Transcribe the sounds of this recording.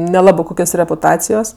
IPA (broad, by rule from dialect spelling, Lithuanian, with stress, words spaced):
nʲɛˈlˠɑːbɜ ˈkʊkʲoːs rʲɛpʊˈtɑːt͡sʲɪjoːs